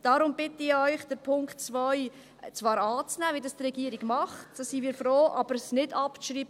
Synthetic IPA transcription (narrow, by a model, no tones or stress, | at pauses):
d̥ɑɾʊmbɪtəɪœʏχd̥əɾpʰʊŋktt͡svœj | t͡svɑːɾɑːt͡snæːvidɑstrɛɡiːɾiɡmɑχtsosimiːɾfɾoːʔɑbəɾsnɪdɑpt͡sʃɾiːbə